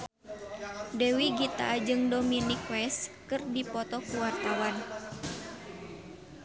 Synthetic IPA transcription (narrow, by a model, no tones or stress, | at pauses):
dɛwiɡit̪a̰d͡ʒɨŋdominikwɛskɨrdipɔt̪ɔkuwart̪awan